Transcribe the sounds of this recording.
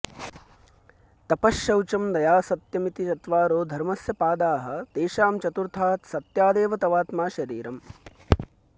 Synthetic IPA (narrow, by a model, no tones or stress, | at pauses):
t̪ɐpɐʃjɐwt͡ʃɐmd̪ɐjaːsɐt̪jɐmit̪it͡ʃɐt̪ʋaːɾoːd̪ʱɐɾmɐsjɐpaːd̪aːɦɐ̆t̪eːʃaːmt͡ʃɐt̪uɾt̪ʰaːt̪sɐt̪jaːd̪eːʋɐt̪ɐʋaːt̪maːʃɐɾiːɾɐm